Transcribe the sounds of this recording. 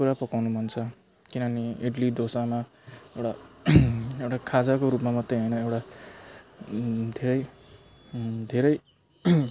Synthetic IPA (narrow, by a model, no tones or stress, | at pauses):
kuɾapʌkawnubʱʌnt͡sʰʌ | kinʌniiʈlid̪osama | ewʈa | ewʈakʰad͡zakoɾupmamʌt̪ːejɦʌjnʌewʈa | d̪ʱeɾʌj | d̪ʱeɾʌj